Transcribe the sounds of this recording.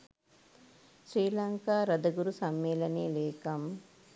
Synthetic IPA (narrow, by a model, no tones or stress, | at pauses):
sɾiːlaːŋkaːɾɐd̪ɐɡuɾusɐmːeːlɐneːleːkɐm